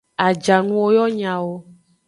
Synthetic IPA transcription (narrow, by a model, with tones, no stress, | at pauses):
a˨d͡ʒa˨nũ˦wo˦jɔ˦ɲã˨wo˦